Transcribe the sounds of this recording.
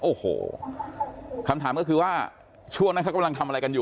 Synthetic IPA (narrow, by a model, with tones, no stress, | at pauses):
ʔoː˨˩ho̰ː˨˩ | kʰa˧mt̪ʰaː˩˦mkɔː˥˩kʰɯː˧waː˥˩ | t͡ɕʰu˥˩əŋa˦˥kʰa˥˩ka˧mla˧ŋt̪ʰa˧mʔɾa˧jka˧njuː˨